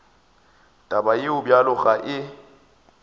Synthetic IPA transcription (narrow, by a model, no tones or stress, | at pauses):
tʼabajɪʊbjalʊɣaʔɪ